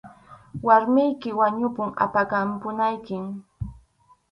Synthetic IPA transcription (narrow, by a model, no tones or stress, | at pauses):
waɾmɪjkɪwaɲʊpʊŋa̰pakampʊnajkɪm